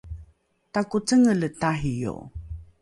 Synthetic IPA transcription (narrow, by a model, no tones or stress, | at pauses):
takut͡səŋələtaɦijo̰